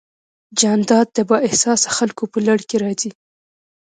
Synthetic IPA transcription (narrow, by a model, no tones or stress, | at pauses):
d͡ʒɑnd̪ɑd̪̚d̪əbɑʔɪhsɑsaxalkopəlaɽkeɾɑzi